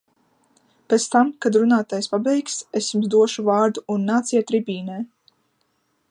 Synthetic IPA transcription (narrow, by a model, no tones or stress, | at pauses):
pɛt̪st̪amkad̪ɾunaːt̪aːjspabɛjksesʲjumzd̪uɔʃuvaːɾd̪uːnːaːt̪sijɛt̪ɾibʲiːnɛː